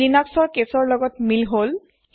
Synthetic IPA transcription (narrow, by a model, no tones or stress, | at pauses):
inaksɔɹkesɔɹlɔɡɔtmilɦol